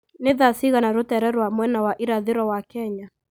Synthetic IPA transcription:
neðasiɣanaɾutɛɾɛɾwamwɛnawaʔiɾaðɪɾɔwakɛɲa

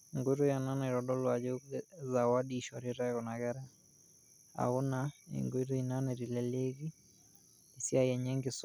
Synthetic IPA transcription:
ŋɡuiɾujananɛiɾɔɗɔlwad͡ʒɔzawaɗiːʃɔɾiɾaɣɔnaɣɛɾɛ | a̰unaḭŋɡiɾuinanɛɾilɛleɣi | isiajɛɲɛŋɡɪs

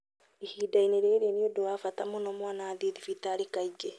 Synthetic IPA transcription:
ihiːdaineɾeɾeniodowafatamonomwaːnaːðeðifitaɾikaid͡ʒe

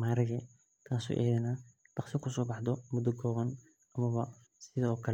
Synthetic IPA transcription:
maːɾɐɣɛ | t̪ʰaːsṵːʔɛ̰ːðɛna | d̥̪ɑqsɪkʰʊs̬ɔːbɑħd̪ɔmʊd̪ɔɡɔːɣɐn | ɐmɐβɐ | sɪðɔːkʰɐl

